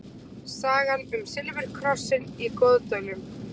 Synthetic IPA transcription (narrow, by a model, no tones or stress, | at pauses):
saːɣanʏmsɪlvɪl̥kʰɾɔsːɪnikoːwðt̪œɥnʏm